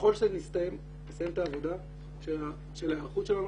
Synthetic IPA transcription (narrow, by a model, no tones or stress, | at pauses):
χo̞lʃenist̪ajem | mesajemt̪aːvo̞d̪a | ʃe | ʃelaχut̪ʃelan